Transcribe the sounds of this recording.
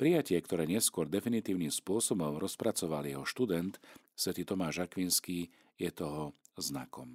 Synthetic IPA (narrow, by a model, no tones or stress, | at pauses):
pɾijacɪɛkt̪ɔɾɛːɲɪɛskʊɔɾd̪ɛfinit̪iːʊniːmspʊɔsɔbɔmɾɔspɾat͡sɔʋaljɛɦɔʃt̪ud̪ɛnt̪ | sʋɛt̪iːt̪ɔmaːʒakʋinskiː | jɛt̪ɔɦɔzna̰kʰɔm